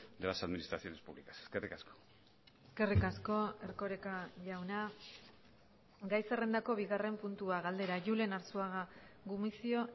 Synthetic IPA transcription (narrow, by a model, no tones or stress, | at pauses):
d̪elasaðminist̪ɾaθio̞ne̞spuβlikase̥skerikasko̥ | eske̞rikasko̞e̞ɾko̞ɾekaʝawna | ɡajsere̞nd̪ako̞βiɣare̞mpunt̪uaɣald̪e̞ɾaʝule̞naɾsuaɣaɣumisio̞